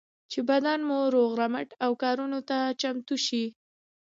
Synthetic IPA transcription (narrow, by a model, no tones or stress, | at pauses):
t͡ʃebad̪anmoɾoɣɾamaʈawkɑɾunot̪at͡ʃamt̪uʃi